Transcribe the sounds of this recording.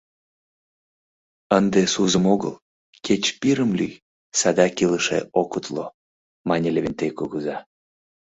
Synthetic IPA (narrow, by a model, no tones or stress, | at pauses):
ənd̪esuzəmoɣə̰l | kʰet͡ɕpiɾəmlyj | sɑd̪ɑkiləʃḛʔokut̪lo | mɑnʲelʲevʲinʲt̪ejkuɣuzɑ